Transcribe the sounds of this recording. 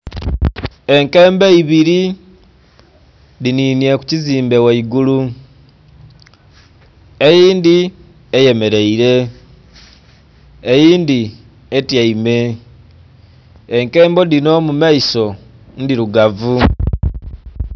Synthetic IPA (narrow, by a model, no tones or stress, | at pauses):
e̞ŋke̞ːmbeiβiɾi | lininje̞ku̥ciziːmbe̞waiɡulu | ejiːndi | eje̞me̞ɾe̞iɾe̞ | jiːndi | etjaime̞ | eŋke̞ːmbo̞dino̞mumaiso̞ | ndiɾuɡavu